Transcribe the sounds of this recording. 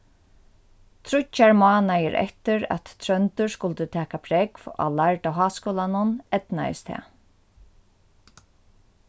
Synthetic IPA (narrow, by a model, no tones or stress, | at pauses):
t̪ʰɾʊt͡ʃːaɹmɑːnajɪɾʔɛ̰ht̪ɪɾa̰t̪t̪ʰɾœnt̪ʏɹskʊlt̪ət̪ʰɛːkapʰɾɛkva̰laɹt̪aɦɑːskɔːlanʊnɛt̪na̰ɪ̰st̪ʰɛ̰ː